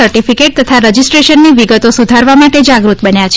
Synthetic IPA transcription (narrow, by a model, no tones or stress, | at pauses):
əɾʈifikeʈ̚t̪ət̪ʰaɾəd͡ʒisʈɾeʃənːiʋiɡət̪osud̪ʱaɾʋamaʈed͡ʒaɡɾut̪bənjat͡ʃʰ